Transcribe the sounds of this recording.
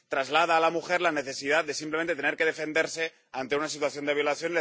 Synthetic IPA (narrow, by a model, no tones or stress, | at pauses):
t̪ɾazlað̞aːlamuxeɾlaneθesið̞at̪̚d̪e̞simplement̪et̪eneɾkeðefend̪eɾse̞ | ant̪e̞unasit̪uaθjo̞nd̪eβ̞jolaθjo̞nile